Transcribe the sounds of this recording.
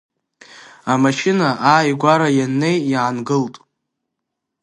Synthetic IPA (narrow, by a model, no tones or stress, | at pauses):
amaʃɪnaʔaːjɡʷaɾajanːe̞jʕanɡɨltʼ